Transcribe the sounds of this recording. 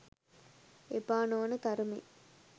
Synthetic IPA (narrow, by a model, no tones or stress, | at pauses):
epaːnoːnət̪ɐɾumḛ